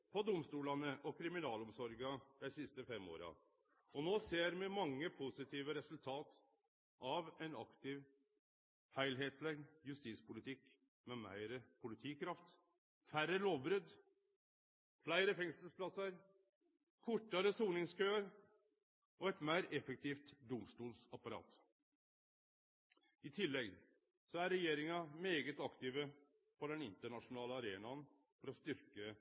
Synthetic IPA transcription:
pʰɔd̪ʊmst̪uːlɑnəʔɔkʰɾɪmɪnɑːlɔmsɔɾɡɑd̪̥æɪsɪst̪əfɛmo̰ːɾɑ̰ | ɔnoːseːɾmɪmɑŋːəpʰʊsɪt̪ʰiːʋəɾɛsʉlt̪ʰɑːt̪ | ʔɑʋæɪnɑ̰kt̪ɪʋ | hæɪlɦeːt̪lɛɡjʉst̪iːspʊlɪt̪ʰɪkː | mɛmæ̰ɪɾəpʰʊlɪt̪ʰiːkʰɾɑft̪ | fæɾəloːʋbɾʏd̪ | flæɪɾəfɛŋsəspʰlɑsəɾ | kʰʊʈːɑɾəsuːnɪŋskʰøːəɾ | ʔɔɛt̪mæɪɾɛfək̚t̪ʰiːft̪d̪ʊmst̪uːlsɑpɑɾɑ̰ːt̪ | ɪt̪ʰɪlːɛɡ | sɔæɾɛjeːɾɪŋɑmeːɡət̪ɑkt̪iːʋə | pʰɔd̪ɛnɪnt̪əɳɑʂʊnɑːləɑɾeːnɑn | fɔɾɔst̪ʏɾkə

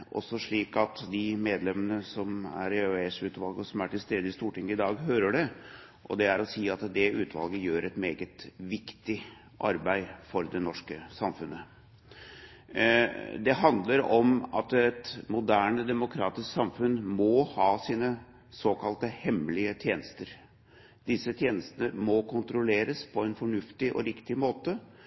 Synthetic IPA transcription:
ʔɔ̰sɔʂɭiːkɑt̪d̪ɪmeːd̪lɛmənəsɔmæ̰ɾøesʉːt̪ʋɑlɡəɔsɔmæʈɪlst̪eːd̪əɪst̪uːʈɪŋːəɪd̪ɑːɡhøːɾəɖɛ | ʔɔ̰d̪ɛæɾɔsiːɑt̪d̪ɛʔʉːt̪ʰʋɑ̰lɡəjøːɾʔɛt̪meːɡət̪ʋɪkt̪ɪ | ʔɑ̰ɾbæɪfɔɾd̪ɛnɔʂkəsɑmfʉnːə | d̪ɛɦɑnd̪ləɾɔmɑ̰t̪ɛt̪mʊd̪æːɳəd̪ɛmʊkʰɾɑːt̪ɪsksɑmfʉnmɔhɑːsiːnə | soːkʰɑlt̪əhɛmlɪət̪ʰjeːnəst̪əɾ | d̪ɪsːət̪ʰjeːnəst̪ənəmɔkʰʊnt̪ɾʊleːɾəspʰɔɛnfɔɳʉft̪ɪʔɔ̰ɾɪkt̪ɪmoːt̪ə

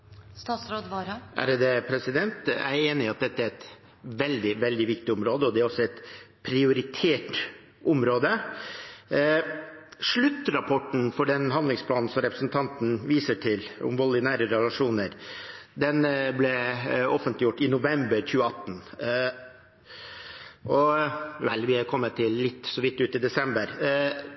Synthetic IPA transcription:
st̪ɑsɾoːʔæ̰ɾd̪ɛpʰɾɛsɪd̪ɛnt̪æ̰ɪɾeːnɪɑt̪̚d̪ɛt̪ːəæɾɛt̪ | ʋɛld̪ɪʋɛld̪ɪʋɪk̚t̪ɪʊmɾoːd̪əɔd̪ɛæɾɔsɔɛt̪ | pʰɾɪʊɾɪt̪ʰeːʈ | ʔʊmɾoːd̪ə | ʂɭʉt̪ːɾɑpʰɔʈn̩fɔɖɛnɦɑnd̪lɪŋspʰlɑːnn̩sɔmɾɛpɾəsnt̪ʰɑnt̪n̩ʋiːsəʈʰɪlʊ̰mʋɔlːɪnæːɾəɾɛlɑʂuːnəɾ | d̪ɛnblɛɔfənt̪lɪjʊʈːɪnʊʋɛmbəɾçʉːəɑt̪ːn̩ | ʔɔʋɛlʋɪhɛɾkʰɔmːət̪ʰːɪlːɪt̪ːsɔʋɪt̪ːʉːt̪ɪd̪ɛsɛmbəɾ

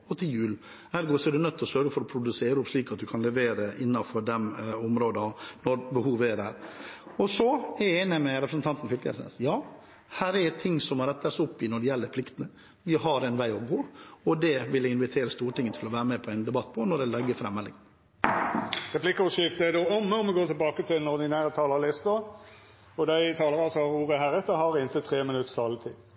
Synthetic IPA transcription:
ɔt̪ʰɪljʉːl | hæːɾɡoːsɔɛɖʉnœt̪ːɔsøɾɡəfɔɾɔpʰɾʊd̪ʉseːɾʊpʂɭiːkɑt̪̚d̪ʉkʰɑnlɛʋeːɾəʔɪnːɑfɔɖɛmʊmɾoːd̪ɑnɔɾbəhuːʋəɛɖæ̰ːɾɔsɔɛeːnɪmɛɾɛpɾəsn̩t̪ɑnt̪nfʏlkɛ̰snɛ̰sjɑː | hæːɾɛɛt̪ʰɪŋːsɔmɑɾɛt̪ːəsʊpːɪnɔɖɛjɛlːəɾpʰlɪkt̪ənə | ʋɪɦɑɾɛnʋæɪɔɡoːɔd̪ɛʋɪlɪnʋɪt̪ʰeːɾəst̪uːɾəʈɪŋənət̪ʰɪlɔʋæːɾəmɛpʰɔɛɪnd̪ɛbɑt̪ːpʰɔnɔɖ̪ɛlɛɡːəfɾɛmːɛlɪ̰ŋn | ɾɛpʰlɪkːɔsɪft̪əɛd̪oːɔmːəɔmʋɪɡoːt̪ʰɪlbɑːkət̪ʰɪlnɔɾd̪ɪnæːɾət̪ʰɑːləɾlɪst̪ɔ | ɔd̪æɪt̪ʰɑːləɾɑsɔɾuːɾəɦæɾɛt̪əhɑɾɪnt̪ət̪ʰɾeːmɪnʉt̪ːst̪ʰɑlːət̪ʰɪ

